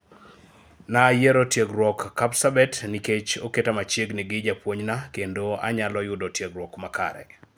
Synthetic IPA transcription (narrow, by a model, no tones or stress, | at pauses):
najeɾotjeɡɾwɔkːapsabɛtniket͡ʃoketamat͡ʃeɡniɡɪd͡ʒapwoɲnakendoa̰ɲalɔjʊdɔtjeɡɾwɔkmaka̰ɾɛ̰